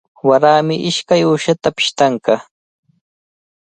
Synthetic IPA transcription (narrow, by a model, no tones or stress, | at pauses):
waɾaːmɪʔɪʃkajuːʃat̪apɪ̥ʃt̪aŋkɑ